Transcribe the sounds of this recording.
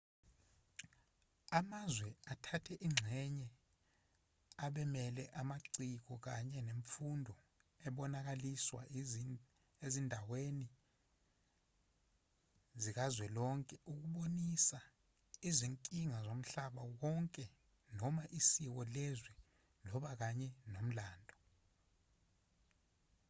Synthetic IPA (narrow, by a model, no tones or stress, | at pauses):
amazwɛatʰatʰɛʔiŋ͡ǁʱɛɲɛ | aɓɛmɛlɛʔamaǀik̬ɔk̬aɲɛneɱfundʱɔ | ɛɓɔnak̬aliswa̰ | ezindʱaweni | zik̬azwɛlɔŋkʼɛʔuk̬uɓonisa | iziŋkʼiŋazom̩ɬaɓawɔŋkʼɛ | nɔmaʔisiwɔlezwi | lɔɓak̬aɲɛnom̩laːndʱɔ